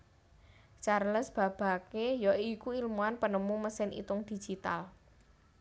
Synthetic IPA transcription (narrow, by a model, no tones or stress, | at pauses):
t͡ʃarləsb̥a̤b̥a̤kejɔikuilmuanpənəmuməsɪnḭt̪ʊŋd̪̥i̤̥d͡ʒ̥it̪a̰l